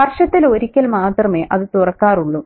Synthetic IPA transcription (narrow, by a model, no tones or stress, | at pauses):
ɐrʂɐt̪ːilo̞ɾikʲːɐlmaːt̪rɐme̞ːʔɐðɨt̪urɐkːaːruɭːu